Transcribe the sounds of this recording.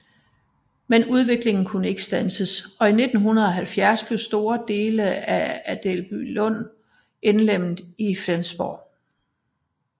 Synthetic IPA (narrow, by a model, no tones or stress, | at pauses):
menuð̞ˠʋe̝ɡ̥le̝ŋn̩kʰunəe̝ɡ̥ə̥sd̥ænsəsɒ̽ine̝d̥n̩ɦunɐðˠɒ̽ɦælfjæɐsb̥le̝ʊsd̥o̝ːɐd̥e̝ːləææd̥elb̥ylɔ̽n̰ | ʔenlem̰ð̩ˠifensb̥ɒ̰